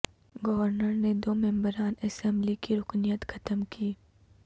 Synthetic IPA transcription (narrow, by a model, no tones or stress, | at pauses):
ɡɔʋəɾnəɾned̪oːmɛ̃mbəɾaːnɐsɛ̃mblikiɾʊknijət̪xʰɐt̪əmkʰiː